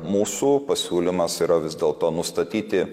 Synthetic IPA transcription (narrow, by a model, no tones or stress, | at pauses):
muːsuːpɐsʲuːlʲɪmɐsiːɾɐʋʲɪzʲd̪ʲeːlˠt̪oːnʊst̪ɐt̪ʲiːt̪ʲɪ